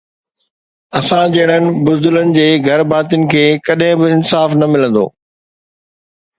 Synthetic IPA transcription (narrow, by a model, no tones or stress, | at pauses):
ɐsãd͡ʑɐɦɪɽ̃ənɪ̆bʊzd̪ʊlənɪ̆d͡ʑeːɡʱɐɾbaːt̪̬ijʊnɪ̆kʰeːkɐɗɦɪ̃bɪɪnsaːfnɐmɪlə̃nd̪o̰ː